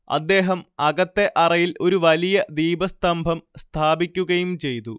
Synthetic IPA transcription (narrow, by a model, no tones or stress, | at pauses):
ɐ̰d̪ːe̞ːɦɐmɐɣɐt̪ːe̞ʔɐrɐjilo̞ɾuʋɐlijɐd̪iːbɐst̪ɐmbʱɐmst̪ʰaːbikʲːuɣɐjumt͡ɕe̞jt̪u